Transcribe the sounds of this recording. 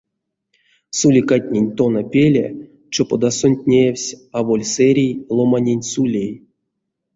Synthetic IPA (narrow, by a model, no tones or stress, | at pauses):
sulʲikat̪ʲnʲenʲt̪onapʲelʲḛ | t͡ʃopod̪asonʲt̪ʲnʲewsʲavolʲseɾʲijlˠomanʲenʲsulʲej